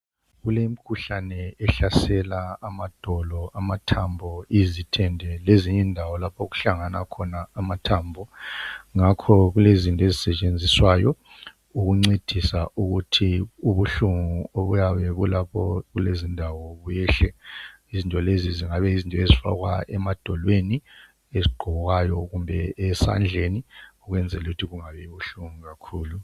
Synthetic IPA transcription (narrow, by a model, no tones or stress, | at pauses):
ɣulem̩kʰuɬanɛɛɬasɛlaːmad̥ʱɔlɔamatʰambʱɔizitʰɛndʱɛleziɲɛndʱawɔlapʰoɣu̥ɬaŋana̰kʰɔnaːmatʰambʱɔŋakʰɔɣulezintʼɔezisɛt͡ʃʼend͡zʱiswajɔ | uɣuŋ͡ǀed̥ʱisa̰ʔuɣutʰiuβuɬuŋuoβujaβɛβulapʰɔɣulezindʱawɔβujɛɬɛ | izintʼɔleziziŋaβɛizintʼɔezifa̰ɣwa̰ɛmad̥ʱɔlweni | eziɡ͡ǃʱɔɔɣajɔɣumbʱɛɛsa̰nd͡ɮʱeniɔɣwɛnd͡zʱɛluɣutʰiɣuŋaβɛiβuɬuŋuɣakʰuːlu